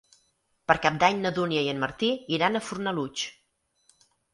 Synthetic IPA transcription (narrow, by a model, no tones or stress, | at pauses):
pəɾkap̚d̪aɲnəðuniəiənməɾt̪iiɾanəfurnəlut͡ʃ